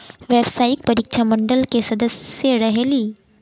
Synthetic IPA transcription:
ʋebsaik̚pəɾikt͡ʃʰaməɳɖəlkesəd̪əsjeɾəɦeliː

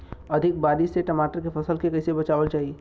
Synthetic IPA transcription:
ɐd̪ʱɪk̚baːɾiʃseʈɐmaːʈəɾkepʰɐsəlkekɐɪsebɐt͡ʃaːʋəlt͡ʃaːɦi

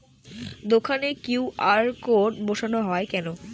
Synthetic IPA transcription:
d̪okʰanekjuwʔaɾkoɖboʃonoɦɔekɛno

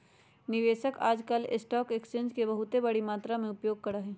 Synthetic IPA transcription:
nɪʋeːʃəka̰ːd͡ʒkəlɪ̰sʈɔːkekst͡ʃẽːɲd͡ʒkebɐɦʊt̪ebɐɽimaːt̪ɾamẽʊpjoːɡ̚kɐɾaɦɛː

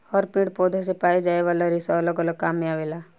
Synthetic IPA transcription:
ɔːɾpĩɳɽpoːd̪ʱas̬epaːid͡ʒaːeʋaːlaɾɪsaləkələkaːmːẽaːʋeːlaː

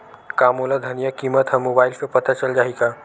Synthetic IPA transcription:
kamolad̪ʱənijəkimət̪ɦə̃mobajlsəpət̪at͡ɕəld͡ʒaɦika

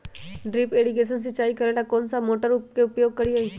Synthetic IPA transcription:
ɖɾiːpeːɖiʊkeːʃ̬əns̬ɪt͡ʃːaːikɐɾelakɔːnsamoːʈəɾupkeʊpjoːɡ̚kɐɾiaːiː

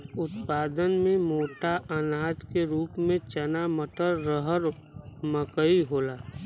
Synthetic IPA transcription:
ʊt̪paːd̪ənmẽmoːʈaʔənaːt̪keɾuːpmẽt͡ʃənaməʈʰəɾːəɦəɾ | məkəiɦoːlaː

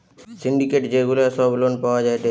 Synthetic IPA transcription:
siɳɖikeʈd͡ʑeɡulasɔblonpaoad͡ʑajt̪e

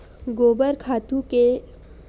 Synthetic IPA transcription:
ɡoːbəɾkʰaːt̪ũke

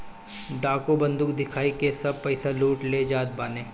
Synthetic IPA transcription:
ɖaːkobɐ̃nd̪ʊkd̪ɪkʰaːikesɐb̚pɛɪsaluːʈled͡ʒaːd̪̚baːnẽː

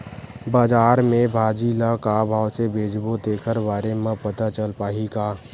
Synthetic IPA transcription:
baːd͡ʒaːɾmẽbʱaːd͡ʒilakabʱaːwsebʱeːd͡ʒbod̪eːkʰəɾbaːɾemə̃pət̪at͡ʃəlpaːɦiɡaː

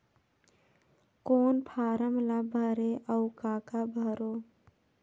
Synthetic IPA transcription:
koːnpʰaːɾəmlabʱəɾeʔəwkaːkabʱəɾoː

